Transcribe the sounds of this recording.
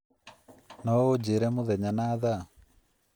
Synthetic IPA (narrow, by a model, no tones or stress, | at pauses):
nɔod͡ʑeɾɛmoðɛɲanaða